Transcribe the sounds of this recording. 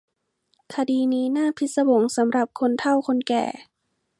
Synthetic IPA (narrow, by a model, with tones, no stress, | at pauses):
kʰa˧diː˧niː˦˥naː˥˩pʰi˦˥t̪̚sa˧wo˩˦ŋsa˩˦mɾa˨˧˩p̚kʰo˧nt̪ʰa˥˩wkʰo˧nkɛ̰ː˨˩